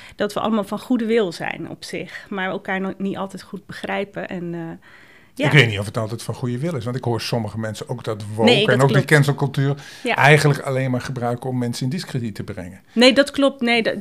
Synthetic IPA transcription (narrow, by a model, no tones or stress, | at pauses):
d̥ɑtʋəʔɑ̰ləmalˠfɔnχudəʋɪlˠzɛ̰jnɔ̰psɪ̰xmaɹokajnnitɑ̰lˠtɛjtχud̚bəχrɛjpəʔɛnə | jaɪkkʋejtnitɔfɦətɑlˠtɛjtfɑnχujəʋɪlˠɪsʋɑntɪkɦoːɹsɔməχəmɛnsəowk̚dɑtʋonekəɛnowkdəkɛnsəlˠkɵlˠtyːrjaʔɛjχənləka̰lejnmaːɹχəbrœɥkəɔmːɛnsəɪndɪskrəditəbrɛ̰ŋə | nejdɔtklɔp̚tnej